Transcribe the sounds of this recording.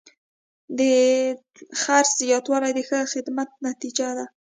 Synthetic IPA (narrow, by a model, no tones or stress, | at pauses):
d̪ə | xaɾsjɑd̪wɑlajd̪əxəxɪd̪mat̪̚nat̪id͡ʒad̪a